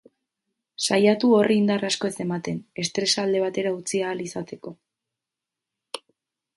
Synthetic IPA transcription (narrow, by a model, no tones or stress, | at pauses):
sajat̪uo̞riːnd̪arasko̞e̞se̞mat̪e̞ne̞st̪ɾe̞sald̪e̞β̞at̪e̞ɾaut͡siaːlisat̪e̞ko̞